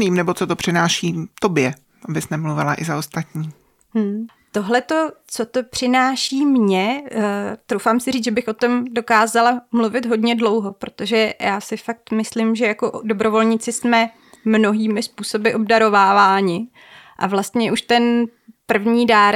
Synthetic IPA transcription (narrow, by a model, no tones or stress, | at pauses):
niːmnɛbot͡sot̪opr̥ɪnaːʃiːt̪o̞bjɛ | ʔabɪsnɛmluvɪlaʔɪzaost̪at̪ɲiː | m̩ | t̪o̞ɦlɛt̪o̞t͡so̞t̪o̞pr̝̥ɪnaːʃiːmɲɛ | t̪ɾowfaːmsɪriːt͡sʒɛbɪxʔo̞t̪o̞mdo̞kaːzalamluvɪt̪ɦo̞dɲɛdlo̞wɦo̞pɾo̞t̪o̞ʒɛjʔaːsɪfak̚t̪mɪslɪmʒɛjakoʔdo̞bɾo̞vo̞lɲɪt͡sɪsmɛ | mno̞ɦiːmɪspuːso̞bɪʔo̞bdaɾovaːvaːɲɪ | ʔa̰vlast̪ɲɛʔuʃt̪ɛnpr̩vɲiːdaɾ